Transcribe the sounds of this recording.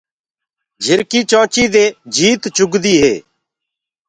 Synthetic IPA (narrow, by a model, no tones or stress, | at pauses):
d͡ʒʱɪɾkiːt͡ʃãːt͡ʃiːd̪eːd͡ʒiːt̪t͡ʃʊɡd̪iːɦḛː